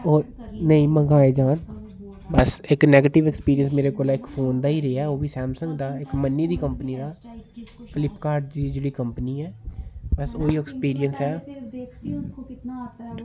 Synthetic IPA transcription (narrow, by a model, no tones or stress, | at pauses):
oːɾnəĩːməɡaːeːd͡ʒaːn | bəsɪknɛːɡeːʈɪʋɛkspiːɾiənsmeːɾeːkoːlaːɪkpʰoːnd̪aːiːɾeaːoːʋiːsɛːmsə̃ŋɡd̪aːɪkmənːiːd̪iːkəmpəniːd̪aː | fʰɪlɪpkaːɾɖd͡ʒiːd͡ʒeːɽiːkəmpniːɛːbəsoːiːɛkspiːɾɪənsɛː